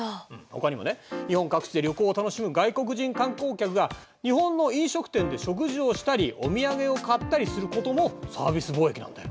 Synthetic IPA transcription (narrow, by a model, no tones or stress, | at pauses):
ɯ̃ho̞kaɲ̟imo̞ne̞ɲ̟ihõ̞ŋkakɯ̟̥t͡ɕid̪e̞ɾʲo̞koːt̪ano̞ɕimɯ̟ɡaiko̞k̬ɯ̟ʑĩŋkãŋko̞ːkʲakɯ̟ɡa | ɲ̟iɦõ̞nːo̞ĩɰ̃ɕo̞kɯ̟̥t̪ẽ̞nd̪e̞ɕo̞k̬ɯ̟ʑio̞ɕi̥t̪aɾʲiʔo̞mʲiaɡe̞o̞kat̪ːaɾʲisɨɾɯ̟ko̞t̪o̞mo̞sa̰ːbʲisɨboːe̞kʲinã̰nd̪e